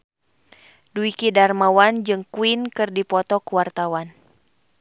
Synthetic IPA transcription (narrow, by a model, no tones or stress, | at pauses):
duikidarmawand͡ʒɨŋkuinkɨrdipɔt̪ɔkuwart̪awan